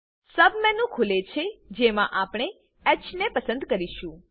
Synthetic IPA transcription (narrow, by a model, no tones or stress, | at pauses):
səbmɛ̃nũkʰulet͡ʃʰed͡ʒemãʔapɳ̃e | ɛt͡ʃnepəsə̃nd̪kəɾiʃũ